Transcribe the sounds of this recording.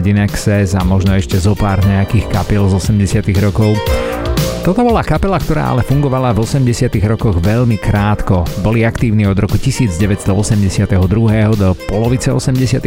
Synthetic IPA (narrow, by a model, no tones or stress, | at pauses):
ɟinɛksɛzamɔʒnɔɛʃcɛzɔpaːɾɲɛakiːxkapilzɔsɛmɟɛsɪat̪iɣɾɔkɔʊ | t̪ɔt̪ɔbɔlakapɛlakt̪ɔɾa̰ːʔa̰lɛfuŋɡɔʋalavɔsɛmɟɛsɪat̪iɣɾɔkɔɣʋɛʎmikɾaːt̪kɔbɔliakt̪iːʊniɔd̪ɾɔkucisiːd͡zɟɛʋɛt̪st̪ɔɔsɛmɟɛsɪat̪ɛɦɔd̪ɾuɦɛːɦɔd̪ɔpɔlɔʋit͡sɛɔ̰sɛmɟɛsɪat̪ɛ